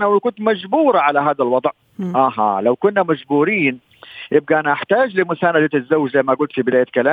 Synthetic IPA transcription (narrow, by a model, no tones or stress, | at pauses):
nawkʊnt̪mad͡ʒbuːɾˤɑʕalaɦaːðalwɑd̪ˤʕ | ʔaɦɑ̰ːlawkʊnːamaʒbuːɾiːn | jɪb̚ɡaʔanaʔaħt̪aːd͡ʒlɪmʊsaːnad̪at̪ɪzːawːɪd͡ʒzajmaɡʊlt̪fibɪd̪aːjakalaː